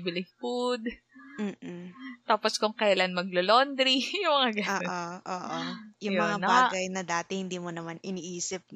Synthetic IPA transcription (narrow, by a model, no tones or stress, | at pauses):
bɪlɪŋfud̪̚ | m̩ːt̪aːposkʊŋkɐjalanmɐɡ̚lolond̪ɾijʊŋmɐŋaɡɐoːoʔoːʔojʊjomɐŋanɐbaːɡɐjnɐd̪aːt̪ɛhɪnd̪iːmonɐmanɪniːʔiːsɪp̚